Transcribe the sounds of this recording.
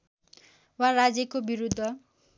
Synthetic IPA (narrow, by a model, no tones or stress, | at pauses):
warad͡zjʌkobiɾud̪ʱːʌ